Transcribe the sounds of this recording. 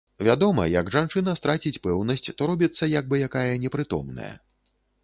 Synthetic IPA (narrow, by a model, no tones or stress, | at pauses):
vʲad̪ɔmɐ̰jɐɡʐant͡ʂɨnɐst̪ɾat͡sʲit͡sʲpɛwnɐsʲt͡sʲt̪ɔɾɔbʲit̪sːɐjaɡ̚bɨjakajɐnʲɛpɾɨt̪ɔ̰mnɐ̰jɐ̰